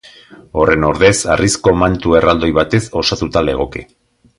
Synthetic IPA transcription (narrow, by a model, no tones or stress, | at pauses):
o̞re̞no̞ɾðe̞sarisko̞mant̪ue̞rald̪o̞jβat̪e̞so̞sat̪ut̪ale̞ɣ̞o̞kḛ